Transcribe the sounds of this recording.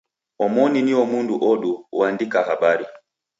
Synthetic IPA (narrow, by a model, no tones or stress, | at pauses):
ɔmɔniniɔmunduʔɔɗuandikahaɓaɾi